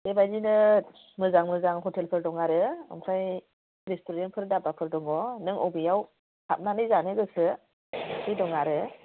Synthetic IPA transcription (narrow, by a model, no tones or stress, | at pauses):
ebajdinɯ | mɯzaŋmɯzaŋɦɔtʰelpʰɯɾdɔŋaɾɯɯ̰msʰaj | ɾistʰuɾenpʰɯɾdabapʰɯɾdɔŋɔnɯŋɔbɯjaw | hʰap̚nanɯjzanɯɡɯsɯ | sʰɯjdɔŋaɾɯ